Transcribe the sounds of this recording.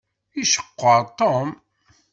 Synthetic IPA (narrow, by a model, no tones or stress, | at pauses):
iʃə̥qːəɾˤt̪ˤːom